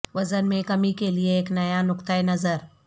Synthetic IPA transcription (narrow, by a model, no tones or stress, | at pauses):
ʋɐzənmẽkɐmikelieːknɐjanʊkt̪əjnəzəɾ